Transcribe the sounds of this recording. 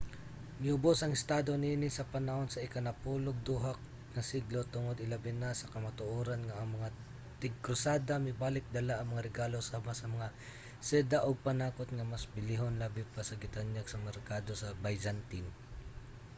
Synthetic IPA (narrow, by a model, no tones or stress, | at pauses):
mɪʊbosɐŋɪst̪aːd̪o̞niːnɪsɐpɐnɐho̞nsɐʔɪkanɐpuːloɡ̚d̪uːɦak̚ | nɐsiɡlo̞t̪ʊŋod̪ɪlɐbɪnasɐkɐmat̪ʊʔoːɾɐnŋɐʔɐŋmɐŋa | t̪ɪɡ̚kɾʊsaːd̪amɪbaːlɪk̚d̪ɐlaʔɐŋmɐŋaɾɛɡaːlo̞sɐmasɐmɐŋa | sɛd̪aʔoɡ̚pɐnaːkot̪̚ŋɐmɐsbɪliɦonlaːbɪpɐsɐɡɪt̪aɲjaɡsɐmɛɾkaːd̪o̞sɐbajd͡ʒant̪in